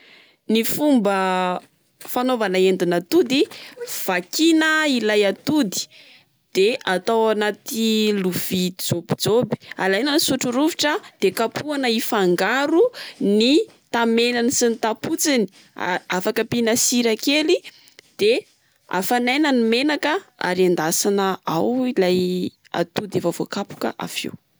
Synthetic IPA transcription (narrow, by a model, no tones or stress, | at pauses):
nifumbə | fanovanaend̪unat̪ud̪iv̥akinəilajat̪ud̪i̥ | d̪̥eat̪awanat̪iluv̥id͡zobid͡zobi̥alajnansuʈ͡ʂuɾuviʈ͡ʂəd̪̥ekapʰuanəifaŋɡaɾuni | t̪amenanisinit̪aput͡sini̥ | afakəpinasiɾakeli | d̪̥e | a̰fanajnənimenakəa̰ɾand̪asanəawilaj | a̰t̪ud̪efəvokapu̥kə̰ʔa̰fḛw